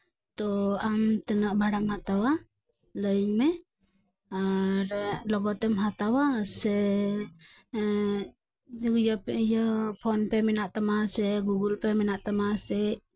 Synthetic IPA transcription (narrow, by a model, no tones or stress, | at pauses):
t̪ɔamt̪ənaʔbʱaɽamhat̪awa | ləɲmɛ | aɾlɔɡɔt̪ɛmɦat̪awasɛ | jɔpɛjɔpʰɔnpɛmɛnaʔt̪amasɛɡuɡulpɛmɛnaʔt̪amasɛ